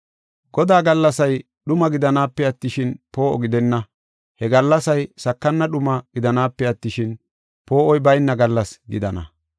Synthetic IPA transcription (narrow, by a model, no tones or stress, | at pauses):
ɡɔd̪aːɡɐlːɐsɐj | ɗʊmɐɡɪd̪ɐnaːpːɛɐt̪ːɪʃɪnpo̞ːɔɡɪd̪ɛnːɐ | hɛɡɐlːɐsɐjsɐkːɐnːɐɗʊmɐɡ̥ɪd̪ɐnaːpːɛɐt̪ːɪʃɪn | po̞ːʔɔjbɐjnːɐɡɐlːɐsɡɪ̰d̪ɐnɐ̰